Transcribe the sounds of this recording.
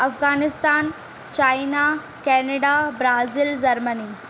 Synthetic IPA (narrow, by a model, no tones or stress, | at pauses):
ɐfɣaːnɪst̪aːn | t͡ɕaːina | kɛːnɐɖabɾaːzild͡ʑɐɾməniː